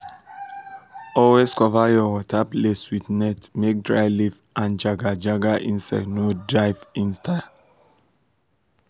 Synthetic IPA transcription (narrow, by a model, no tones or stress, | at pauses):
ɔweskʰɔvajɔwɔt̪ʰapleswit̪nɛtmek̚dɹa̰ɪliv | ʔãnd͡ʒaɡad͡ʒaɡaʔĩnsɛ̰nodɹaɪvĩnst̪ʰa